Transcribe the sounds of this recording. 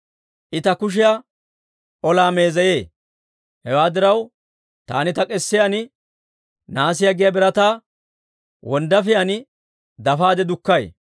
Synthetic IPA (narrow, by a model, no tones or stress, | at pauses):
ʔɪt̪ɐkʊʃ̬ɪja | ʔɔlaːme̞ːzɐje̞ː | hɛwaːd̪ɪɾɐw | t̪a̰ːnɪt̪ɐkʼɛsːɪjɐnɪ | naːs̬ɪjɐɡɪjɐbɪɾɐt̪aː | wɔnd̪ɐfɪjɐnɪ | d̪ɐfaːd̪ɛd̪ʊkːɐj